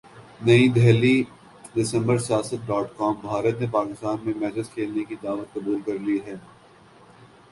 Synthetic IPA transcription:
nɐid̪ʱɛɦli | ɖɪsə̃mbəɾsijaːsət̪̚ɖɔːʈkɔːmbʱaːɾət̪nepaːkɪst̪aːnmẽmɛːsɪd͡ʒkʰeːlnekid̪aːʋət̪̚kɐbuːlkɐɾliɦɛː

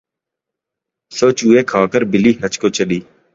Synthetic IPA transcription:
soːt͡ʃuːeːkʰaːkəɾbɪliːhət͡ʃkoːt͡ʃəɗiː

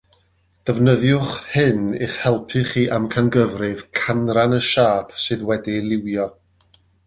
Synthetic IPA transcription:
d̥ɛvnəðjʊχhɨniχhɛlˠpʰɨχiːʔamkʰanɡəvrɨv̥kʰanranəʃaːpʰsɨðwɛdilˠɪwjɔ

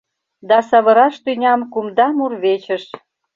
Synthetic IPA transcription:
d̪ɑsɑβəɾɑʃt̪ynʲɑmkumd̪ɑmurβet͡ɕə̆ʃ

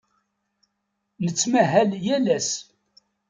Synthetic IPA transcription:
nət͡sːmæɦæljælæs

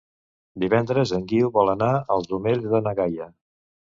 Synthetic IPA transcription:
d̪iβɛnd̪ɾəzəŋɡiwβɔlənaəlˠzðumeʎzðənəɣajə

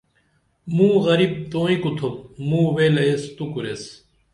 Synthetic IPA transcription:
mũːɣɐɾiːb̚t̪oːĩkut̪ʰomũːʋeːlɐest̪ukuɾes

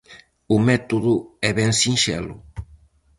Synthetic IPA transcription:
ʊmɛt̪oðʊɛβɛnsĩnʃɛ̰lʊ̰

